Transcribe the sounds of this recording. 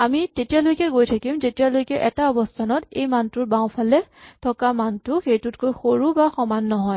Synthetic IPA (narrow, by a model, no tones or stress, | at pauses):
amitetijalojkɛɡojtʰakimzetijalojkɛʔɛtaɔbɔstʰanɔtejmantʊtbaw̃pʰalɛtʰɔkamantʊxejtʊt̚kojxoɹubaxɔmanːɔɦɔj